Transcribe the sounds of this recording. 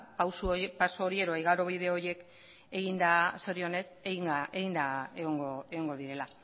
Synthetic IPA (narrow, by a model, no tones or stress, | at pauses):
pawsupasooɾie̞ðo̞ajɣaɾo̞βið̞e̞o̞ɾje̞k | e̞ɣind̪aso̞ɾio̞ne̞seɣiŋeɣind̪aeɣoŋɡoeɣo̞ŋɡo̞ðiɾe̞la